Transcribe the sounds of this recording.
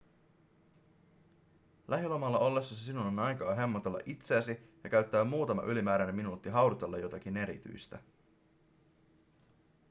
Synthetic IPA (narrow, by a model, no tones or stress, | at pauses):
lʔæɦilomɑlːɑʔo̞lːe̞sːɑsisinunonɑjkɑːɦe̞mːo̞t̪e̞lːɑ̰ʔit̪se̞æsijɑk̟æɥt̪ːæːmːuːt̪ɑmɑ̰ʔylimæːɾæne̞mːinuːt̪ːiɦɑwɾut̪e̞lːɑjo̞t̪ɑk̟ine̞ɾḭt̪y̰jst̪æ